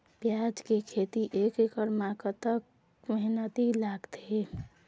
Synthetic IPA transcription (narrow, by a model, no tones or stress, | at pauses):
pjad͡ʒkekʰet̪iʔekekəɾmakət̪ək̚ | məɦnət̪ilaɡt̪e